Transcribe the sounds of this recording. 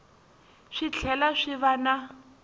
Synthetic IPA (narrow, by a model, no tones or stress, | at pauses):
ʂit͡ɬʰɛlaʂiβana